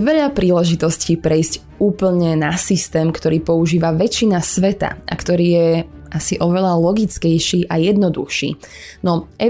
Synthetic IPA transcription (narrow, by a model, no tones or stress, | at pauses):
ʋɛʎapɾiːlɛʒit̪ɔsciːpɾɛjzc | uːpl̩ɲɛnasist̪ɛːmkt̪ɔɾiːpɔuʒiːʋaʋɛt͡ʃinasʋɛt̪a̰ʔa̰kt̪ɔɾiːjɛ | ʔasiʔɔʋɛʎalɔɡit͡skɛjʃiːʔajɛd̪nɔd̪uxʃḭːnɔʔɛ